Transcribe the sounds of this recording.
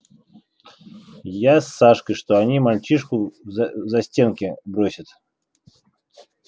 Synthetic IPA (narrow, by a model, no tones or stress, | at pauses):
jasːaʂkɨjʂt̪oɐnʲimɐlʲt͡ɕiʂkʊzɐsʲtʲenkʲɪbɾosʲət̪